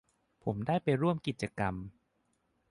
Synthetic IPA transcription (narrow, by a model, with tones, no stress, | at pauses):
pʰo˩˦mdaː˥˩jpa˧jɾu˥˩əmki˨˩t̪̚t͡ɕa˧ka˧m